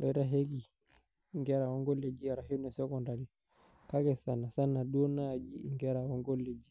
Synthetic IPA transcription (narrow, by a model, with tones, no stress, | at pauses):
ɾɛɾaɦɛ˦ki˨ | ŋɡɛɾaɔ˦ŋɡɔ˦le˨d͡ʒi˦aɾaɦi˦u˦nɛsɛkɔndaɾi | ka˦kɛsana˨sa˦na˨ɗuɔ˦nad͡ʒi˦ŋɡɛɾaɔ˦ŋɡɔ˦le˨d͡ʒi˦